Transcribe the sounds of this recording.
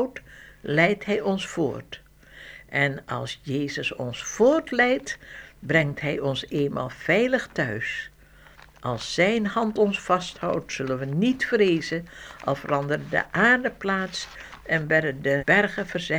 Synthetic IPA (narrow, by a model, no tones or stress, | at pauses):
wtlɛjtɦɛjɔnsfʊ̰ːɹt | ʔɛnɑ̰lˠsjejzəsɔ̰nsfʊːɹtlɛjtbrɛŋtɦɛjɔnseːnma̰ːlˠv̥ɛjləχtœɥs | ʔɑlˠsːɛjnɦɑntɔnsfɑsthɑwtsɵlənʋənitfrejzəʔɑlˠvərɑndəɾədə̰ʔaːrdəplaːts | ɛnʋɛdədəb̥ɛrχəvərzɛ